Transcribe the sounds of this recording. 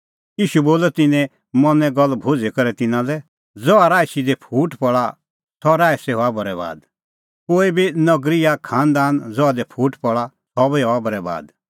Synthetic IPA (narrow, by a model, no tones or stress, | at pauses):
jiːʃuboːlɛt̪ɪnɛ̃ | mɔnɛ̃ɡɔlːbʱʊd͡zekɐɾɛt̪ɪnãlɛ | d͡zɔaɾaːjsid̪ɛpʰuːʈpɔɭa | t̪ʰɔɾaːɛsɛɦoabɔɾɛβa̰ːd̪ | koːibʱinɐɡɾɪjakʰãːnd̪aːnd͡zɔad̪ɛpʰuːʈpɔɭa | t̪ʰɔbiɔabɐɾɛba̰ːd̪